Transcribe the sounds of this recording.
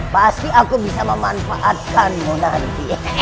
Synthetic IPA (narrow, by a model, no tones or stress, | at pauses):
past̪iʔakubisaməmanfaʔat̪̚kanmonant̪i